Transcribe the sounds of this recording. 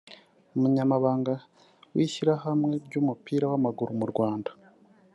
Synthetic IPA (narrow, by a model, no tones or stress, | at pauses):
umuɲamaβaːŋɡa | wiːçiɾahamŋe̞ɾɟuːmupiːɾawamaɡuɾumuɾɡwaːndḁ